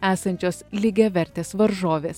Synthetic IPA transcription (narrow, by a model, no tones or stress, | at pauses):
æːsɐnʲt͡ʃʲoːslʲɪɡʲɛʋʲɛɾʲt̪ʲeːsʋɐɾʒoːʋʲeːs